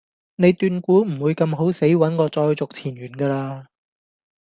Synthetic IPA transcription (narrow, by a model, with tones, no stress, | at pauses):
ne˨˧jt̪yː˧nkuː˨˥m̩˨˩wu˨˧jkɐ˧mɦo˨˥wse˨˥jwɐ˨˥nkɔː˧t͡sɔː˧jt͡sʊ˨k̚t͡sʰiː˨˩nɥyː˨˩nkaː˧laː˧